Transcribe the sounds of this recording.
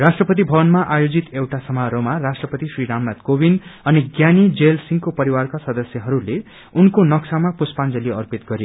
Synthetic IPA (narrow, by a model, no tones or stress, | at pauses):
rasʈrʌpʌt̪̬ibʱʌbʌnmaʔajod͡zit̪ewʈasʌmaɾomarasʈrʌpʌt̪isriɾamnat̪kobinʌniɡjanid͡zelsiŋkopʌɾiwarkasʌd̪ʌsjʌɦʌɾule | unkonʌksʰamapuspand͡zʌliʌrpit̪ɡʌɾe